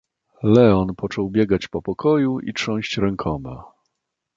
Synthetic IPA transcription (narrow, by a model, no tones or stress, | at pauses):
lɛɔnpɔt͡ʂɔwbʲjɛɡat͡ɕpɔpɔkʰɔjuʔḭt͡ʂɔ̃w̃ɕt͡ɕɾɛŋkʰɔmɛ